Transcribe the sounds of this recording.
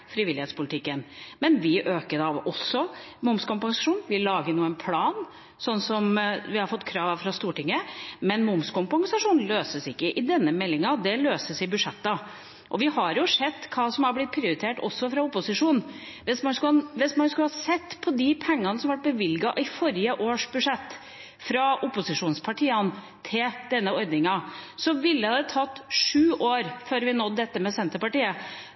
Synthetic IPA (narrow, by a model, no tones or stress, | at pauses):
fɾɪʋɪlɪheːt̪spʊlɪt̪ʰɪkːənmɛnʋɪʔøːkəd̪ɑʋɔsːɔ | mʊmskʊmpɑŋsɑʂuːnʋɪlɑːɡənuːənpʰlɑːn | sɔnːsɔmʋɪhɑɾfɔt̪ːkʰɾɑːʋfɾɑst̪uːʈɪŋːəmɛnmʊmskʊmpɑŋsɑʂuːnløːsəsɪkːəʔɪd̪ɛnːəmɛlːɪŋɑd̪ɛløːsəsɪbʉʂɛt̪ːɑ | ʔɔʋɪhɑɾjʊʂɛd̪ːkʰɑːsɔmɑɾblɪt̪̚pʰɾɪʊɾɪt̪ʰeːʈɔ̰sːɔfɾɑʊpʊsɪʂuːn | ʋɪsmɑnskʋɪsmɑnskʉhɑsɛt̪ːpʰɔd̪ɪpʰɛŋːɑnəsɔmʋæʈ̚bəʋɪlɡɑʔɪfɔɾɪəʔoːʂbʉʂɛt̪ː | fɾɑʊpʊsɪʂuːnspʰɑʈʰiːɑn | t̪ʰɪld̪̥ɛnːəɔɾd̪nɪŋɑsɔʋɪlːəhɑd̪ɛt̪ʰɑt̪ːʂʉːʔoːɾføːɾʋɪnɔt̪̚d̪ɛt̪ːəmɛsɛnt̪əpɑʈiːə